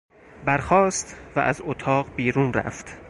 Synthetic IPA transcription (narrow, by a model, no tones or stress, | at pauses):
bæɾxɒːst̪væ̰ʔæzot̪ʰɒːɢbiːɾuːnræ̰ft̪